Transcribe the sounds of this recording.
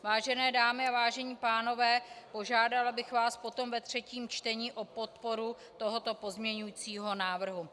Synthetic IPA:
vaːʒɛnɛːdaːmɪavaːʒɛɲiːpaːno̞vɛːpo̞ʒaːdalabɪxvaːspo̞t̪o̞mvɛt̪r̝̥ɛciːmt͡ʃt̪ɛɲiːʔo̞po̞t̪̚po̞ɾu | t̪o̞ɦot̪o̞po̞zmɲɛɲujit͡siːɦo̞naːvr̩ɦu

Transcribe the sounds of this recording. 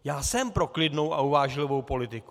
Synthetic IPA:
jaːsɛmpɾo̞klɪdno̞wʔa̰uvaːʒlɪvo̞wpo̞lɪt̪ɪku̥

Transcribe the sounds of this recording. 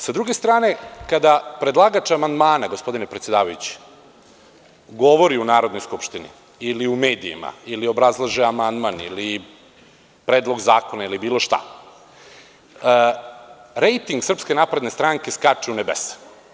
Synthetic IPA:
sad̪ɾuɡe̞st̪ɾaːne̞kad̪apɾe̞d̪lˠaɡat͡ʃamand̪maːnaɡo̞spo̞d̪inepɾet̪sjed̪aːʋajut͡ɕi̥ | ɡo̞ʋo̞ɾiunaːɾo̞d̪nojskupʃt̪inḭ | iliumeːd̪iḭma̰ilio̞bɾazlˠaʒɛamand̪manḭli | pɾeːd̪lˠo̞ɡzaːko̞nailibiːlˠo̞ʃt̪a̰ | ɾejt̪iŋɡsr̩pske̞napɾed̪nest̪ɾaːŋke̞skat͡ʃeunebḛse̥

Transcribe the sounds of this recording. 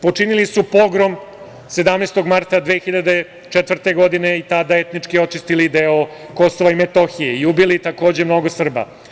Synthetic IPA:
po̞t͡ʂinilisupo̞ɡɾom | se̞d̪amneːst̪o̞ɡmaɾt̪ad̪ʋeːxiʎad̪e | t͡ʂet̪ʋr̩t̪eɡo̞d̪ineit̪ad̪aet̪nit͡ʂkio̞t͡ʃist̪ilid̪eoko̞soʋaimet̪oxijeiubilit̪ako̞ːd͡ʑemno̞ɡosr̩ba̰

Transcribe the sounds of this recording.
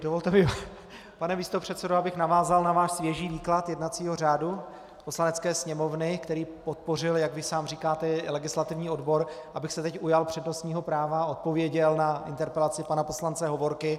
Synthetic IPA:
dovolt̪ɛmɪ | panɛmiːst̪o̞pr̝̥ɛt̪sɛdoabɪxnavaːzalnavaːʃsvjɛʒiːviːklat̪jɛdnat͡siːɦo̞r̝aːdu | poslanɛtt͡skɛːsɲɛmo̞vnɪkt̪ɛɾiːpot̪̚po̞rɪljaɡvɪsaːmriːkaːt̪ɛlɛɡɪslat̪ɪvɲiːo̞dbo̞ɾʔabɪxsɛt̪ɛcʔujalpr̝̥ɛdno̞st̪ɲiːɦo̞pɾaːvao̞t̪̚po̞vjɛɟɛlnaʔɪnt̪ɛɾpɛlat͡sɪpanapo̞slant͡sɛɦo̞vo̞ɾkɪ

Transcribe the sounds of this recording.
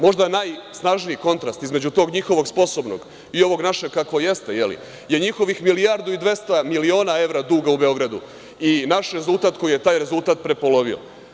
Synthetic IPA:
mo̞ʒd̪anaːjsnaʒnijiko̞nt̪ɾast̪izme̞d͡ʑut̪o̞ːɡɲixo̞ʋo̞ɡspo̞so̞bno̞̰ɡ̥ | io̞ʋo̞ɡnaʃe̞ɡ̚kakʋoje̞st̪e̞jelḭ | je̞ɲixo̞ʋixmilijaɾd̪uid̪ʋe̞st̪amilio̞ːnae̞ʋɾad̪uːɡaube̞o̞ɡɾad̪ṵ | inaʃɾe̞zult̪aːt̪̚ko̞jijet̪aːjɾe̞zult̪aːt̪̚pɾe̞po̞lo̞ʋio̰

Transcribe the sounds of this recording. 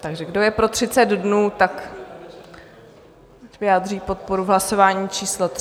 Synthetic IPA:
t̪aɡʒɛɡdo̞jɛpɾo̞t̪r̝̥ɪt͡sɛd̪dnuːt̪ak | vɪjaːd̪riːpo̞t̪̚po̞ɾuɦlaso̞vaːɲiːt͡ʃiːslot̪

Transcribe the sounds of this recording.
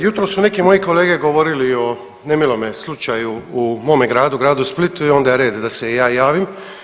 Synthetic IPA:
jut̪ɾosune̞kimo̞jiko̞leːɡe̞ɡo̞ʋo̞ɾilio̞ | ne̞milˠo̞meslˠut͡ʃajuːmo̞ːme̞ɡɾaːd̪uɡɾaːd̪usplit̪uio̞nd̪ajɾe̞ːd̪d̪ase̞jaːjaːʋim

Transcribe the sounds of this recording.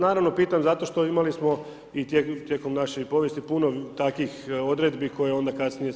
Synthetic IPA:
naːɾaʋno̞piːt̪amzat̪o̞ʃt̪o̞imalismo̞ | it̪jet̪je̞ko̞mnaʃejpo̞ʋje̞st̪ipunot̪akʋixo̞d̪ɾe̞d̪bikʰo̞jeo̞nd̪akasnije

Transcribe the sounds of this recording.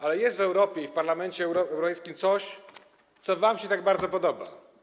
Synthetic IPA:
ʔalɛjɛst̪vɛwɾɔpʲjɛifpaɾlamɛnt͡ɕɛɾɔɛwɾɔpɛjskʲimt̪sɔɕ | t̪sɔvamɕɛt̪aɡ̚baɾd̪zɔpɔd̪ɔba̰

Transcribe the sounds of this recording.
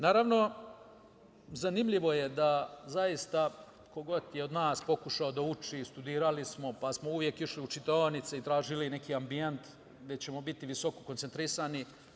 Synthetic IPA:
naːɾaʋno̞ | zanimʎiʋo̞je̞d̪azajist̪a | ko̞ɡo̞t̪jeo̞d̪naːspo̞kuʃao̞d̪aut͡ʃist̪ud̪iːɾalismo̞pasmo̞uʋje̞kiʃliut͡ʃit̪oanit̪seit̪ɾaːʒiline̞kiːambient̪ | ɡd̪e̞t͡ɕe̞mo̞bit̪iʋiso̞ko̞ko̞nt̪ent̪ɾisani

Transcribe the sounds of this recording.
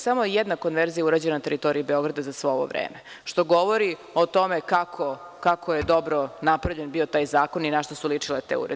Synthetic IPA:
samojed̪nako̞nʋeɾzijauɾaːd͡ʑenanat̪e̞ɾit̪o̞ɾiibeo̞ɡɾad̪azasʋeoʋo̰ʋɾḛːme | ʃt̪o̞ɡo̞ʋoɾiot̪o̞mekakʰo | kakʰojed̪o̞bɾonapɾavʎe̞nbiot̪aːjzaːkoninaʃt̪osulit͡ʂilet̪ḛṵɾe

